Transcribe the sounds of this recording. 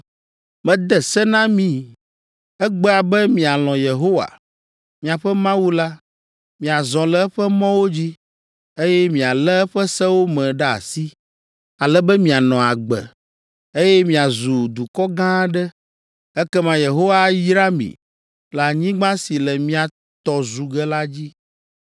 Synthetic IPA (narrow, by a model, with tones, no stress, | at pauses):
mɛ̃˨d̪ɛ˨sɛ˦nã˦mĩ˨ | ɛ˦ɡ͡bɛ˦a˨bɛ˦mĩ˨a˨lɔ̃˨je˨ɦo˦wa̰˨ | mĩ˨a˨ɸɛ˦mã˦wu˦la˦ | mĩ˨a˨zɔ̃˨lɛ˨˦ɛ˦ɸɛ˦mɔ̃˦wo˦d͡ʑi˦ | e˦jɛ˦mĩ˨a˨lɛ˦ɛ˦ɸɛ˦sɛ˦wo˦mɛ̃˨ɖa˦a̰˨si˦ | a˨lɛ˦bɛ˦mĩ˨a˨nɔ̃˨a˨ɡ͡bɛ̰˨ | e˦jɛ˦mĩ˨a˨zu˨d̪u˨kɔ˦ɡã˦ɖɛ˦ | ɛ˦kɛ˦mã˦je˨ɦo˦wa˦jɾa˦mḭ̃˨ | la˨ɲĩ˦ɡ͡bã˦si˨lɛ˨mĩ˦a˨ | t̪ɔ˨zu˨ɡɛ˦la˦d͡ʑi˦